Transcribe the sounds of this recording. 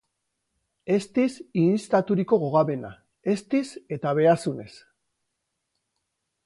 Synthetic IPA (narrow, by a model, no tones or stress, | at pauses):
e̞st̪isist̪at̪uɾiko̞ɣo̞ɣaβe̞na | e̞st̪ise̞t̪aβ̞e̞asune̞s